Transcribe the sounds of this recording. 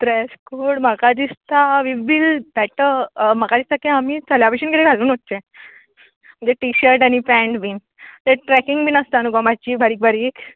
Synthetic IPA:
t̪ɾɛskoɾɽməkad̪ist̪aʋiʋilbɛʈəməkad̪ist̪ʰakĩamiːt͡saljapəɕinkit̪eɡʱaluːnɦot̪ːe | m̤ə̃nd͡zeʈiɕəɾʈaɽ̃ipɛ̃ɳʈbiːn | t̪eʈɾɛkiŋɡbiːnəst̪anuɡɔmat͡ɕiːbʱaɾiːk̚bʱaɾiːk

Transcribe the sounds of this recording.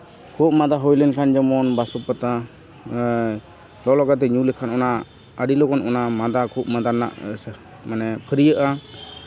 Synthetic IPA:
kʰuʔ̚mad̪aɦɔjlɛnkʰand͡ʒɔmɔnbasɔpat̪a | lɔlɔɡat̪ɛɲulɛkʰanɔna | əɖilɔkɔnʔɔnamad̪akʰuʔmad̪ana̰ʔs | manɛpʰəɾijəʔa

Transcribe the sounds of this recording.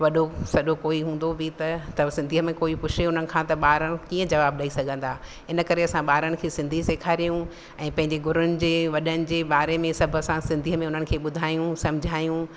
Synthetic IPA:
ʋɐɗosɐɗokoːiɦũːn̆d̪obʱɪt̪ɐt̪ɐsɪ̃nd̪ʱiːəmẽkoːipʊʃʰeʊn̤ənɪ̆kʰãːt̪ɐɓaːɾəɽ̃ɪ̃̆kiːə̃d͡ʑɐʋaːb̚ɗaːisɐɡʱə̃nd̪aː | ɪnəkɐɾeɐsãɓaːɾəɽ̃ɪ̆kʰeːsɪ̃nd̪ʱiseːkʰaːɾijũ | ɛ̃ːpɐ̃ɦɪ̃ɲd͡ʑeɡʊɾʊnɪ̆d͡ʑeːʋɐɗənɪ̆d͡ʑeːɓaːɾemẽsɐbʱə̆sãsɪ̃nd̪ʱiːəmẽʊn̤ənɪ̆kʰeːɓʊd̪ʱaːjũsɐ̃md͡ʑʱaːjũ

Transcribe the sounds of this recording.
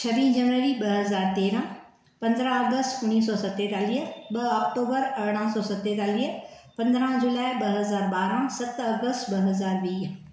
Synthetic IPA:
t͡ɕʰɐʋĩːd͡ʑɐnʋəɾiɓɐɦɐzaːɾt̪eːɾã | pɐ̃nd̪ɾãɐɡəstʈʊnːiːs̬ɔːsɐt̪ːet̪aːliɦəɓɐɔːkʈoːbəɾɐɾɽ̃ãsɔːsɐt̪ːet̪aːliːə | pɐ̃nd̪ɾãd͡ʑulaːɪɓɐɦɐzaːɾɓaːɾãsɐt̪ɐɡəstɓɐɦɐzaːɾʋiː

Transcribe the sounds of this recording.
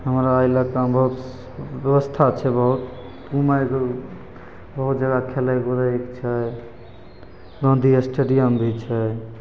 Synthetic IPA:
ɦəmɾaːjlakambəɦut̪ | bjəβəst̪ʰat͡ʃʰɛbəɦut̪ | ɡũmajke | bəɦut̪̚d͡ʒəɡakʰelaɡoɾəikt͡ʃʰɛ | ɡə̃nd̪iesʈeɖijəmbʱit͡ʃʰɛ

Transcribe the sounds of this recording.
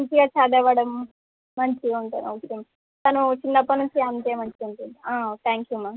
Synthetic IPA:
ɐnt͡ʃiɡaːt͡ʃaːd̪ɛːʋɐɽɐmː | ɐɲt͡ʃiuɳʈ̪ɐnɐkɐm | t̪ɐnut͡ʃinːɐpːɐnuɲt͡ʃiɐnt̪eːmɐɲt͡ʃiuɳʈ̪und̪iaːt̪ʰaːŋkjuːmɐ

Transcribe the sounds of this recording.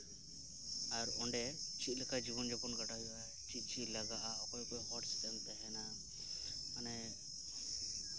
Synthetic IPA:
aɾɔ̰ɳɖɛt͡ʃit̪lɛkʰad͡ʒibɔnd͡ʒɔpɔnɡaʈaɦuaɦɛt͡ʃit͡ʃilaɡaʔaɔkɔkɔɦɔʈst̪ɛŋt̪ɛɦɛna | manɛ

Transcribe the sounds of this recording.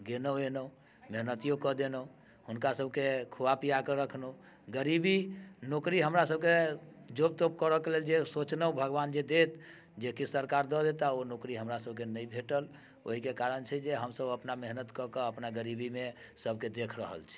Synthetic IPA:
ɡenəenə | meɦnət̪ijokɔd̪enə | hunkasəb̚ʱkekʰuwapijakəɾəkʰno | ɡəɾibinokɾiɦəmɾasəb̚ked͡ʒob̚t̪op̚kəɾəkeleld͡ʒesot͡ʃnəbʱəɡband͡ʒed̪et̪ | d͡ʒekisəɾkaɾd̪ɔd̪et̪aonokɾiɦəmɾasəbʱkenəibʱeʈəl | o̰ɦikekaɾənt͡ʃʰɛd͡ʒeɦəmsəbəpnameɦnət̪kɔkəəpnaɡəɾibime | səb̚ʱked̪ekʰɾəɦə̰lt͡ʃʰɛ̥

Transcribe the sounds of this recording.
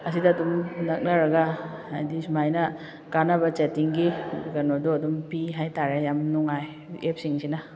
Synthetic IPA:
ɐsidɐːdumnɐk̚nɐɾɐɡɐajdismajnɐ | kanɐbɐt͡ʃetiŋɡiɡɐnodoɐdumpiɦajtaɾejamnuŋaj | ep̚siŋsinɐ

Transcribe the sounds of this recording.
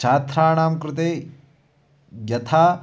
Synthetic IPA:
t͡ʃaːt̪ɾaːɳaːmkɾɪt̪eː | jɐt̪ʰaː

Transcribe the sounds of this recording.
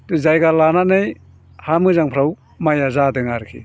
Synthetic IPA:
tuzajɡalananɯj | hamɯzaŋpʰɾaw | majazadɯŋaɾkʰḭ

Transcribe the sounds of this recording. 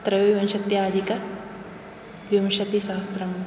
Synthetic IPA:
t̪ɾɐʋʋɐ̃nʃɐt̪jaaːd̪ikɐ | ʋjɐmʃɐt̪iʃaːst̪ɾɐm

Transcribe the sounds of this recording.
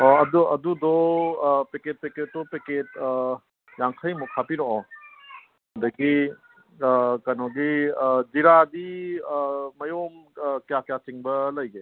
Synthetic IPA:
ɔɐduɐdudɔ | peket̚peketːɔpeket̚ | jaŋkʰəjmukʰapiɾɔɔ | hɐdɐki | kanɔɡidiɾadiː | ɐjomkjakjasiŋbɐlɐjɡe

